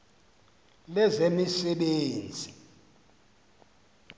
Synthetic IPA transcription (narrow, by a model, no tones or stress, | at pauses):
lɛzemisɛɓeːnd͡zʱi